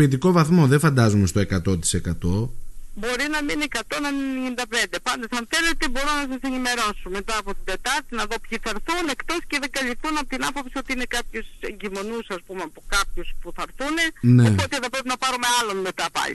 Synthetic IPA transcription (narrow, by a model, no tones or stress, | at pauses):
it̪iko̞vɐθmo̞ðefɐnd̪ɐzumest̪oe̞kɐt̪o̞t̪i̥se̞kɐt̪o̞bo̞ɾinɐminikɐt̪o̞nɐminenind̪ɐpe̞nd̪e̞pɐnd̪ɐsɐnθele̞t̪e̞bo̞ɾunɐs̬ɐse̞nime̞ɾo̞sumet̪ɐːpo̞t̪id̪e̞t̪ɐɾt̪inɐðo̞pçiθɐɾθune̞kt̪o̞sceðeɡɐlifθunɐpot̪inɐfɐpsio̞t̪iine̞kɐpçusḛɲɟimo̞nusɐspumeɐpo̞kɐpçuspuθɐɾθune̞neet̪ot̪iðɐpɾepinɐpɐɾume̞ɐlo̞nme̞t̪ɐpɐ̰lḭ